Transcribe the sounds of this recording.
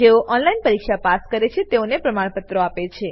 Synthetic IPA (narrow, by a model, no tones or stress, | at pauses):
eoʔɔnlainpəɾikʃapaskəɾet͡ʃʰet̪eonepɾəmaɽ̃pət̪ɾoapet͡ʃʰe